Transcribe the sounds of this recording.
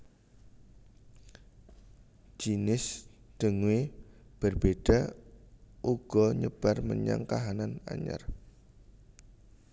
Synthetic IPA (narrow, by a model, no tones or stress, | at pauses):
d͡ʒ̥inɪsd̪̥əŋweb̥ərb̥eɖ̥a | ʔuɡ̥ɔɲəb̥arməɲa̰ŋkaɦanana̰ɲa̰r